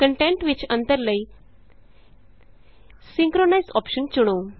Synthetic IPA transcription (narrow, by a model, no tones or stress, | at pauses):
kəɳʈẽɳʈʋit͡ɕənt̪əɾləi | sĩŋkɾonajsɔpɕənt͡ɕuɽ̃o